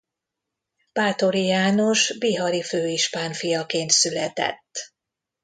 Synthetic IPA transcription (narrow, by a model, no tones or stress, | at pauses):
b̥aːt̪o̞ɾijaːnoʃbiɦɒɾiføːiʃpaːnfijɒkeːnt̪sylɛt̪ɛ̰t̪ː